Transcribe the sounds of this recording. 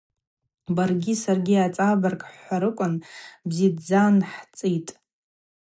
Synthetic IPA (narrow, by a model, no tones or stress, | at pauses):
barɡʲisarɡʲiat͡sʼabarkʼħʷaɾɨkʷʼʊnbzidd͡zanħt͡sʼitʼ